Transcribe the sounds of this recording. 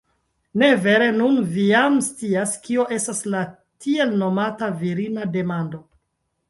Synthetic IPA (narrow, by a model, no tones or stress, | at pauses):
ne̞ve̞ɾe̞nunvijamst͡siaskio̞ʔe̞stasla | tʰie̞lno̞mataviɾinade̞mando̞